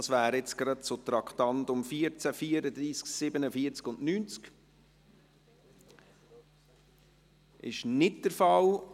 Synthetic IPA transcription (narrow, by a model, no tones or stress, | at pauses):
ɑsʋæːɾɛt͡sɡ̥ɾɑt̚t͡sot̪ɾɑkʰt̪ɑnt̪ʊmfiːəɾt͡sæfiːəɾəd̪ɾiːsksɪbənəfiət͡skʊndnyːnt͡sk | ʔɪ̰ʃnɪt̚d̥̪əɾfɑl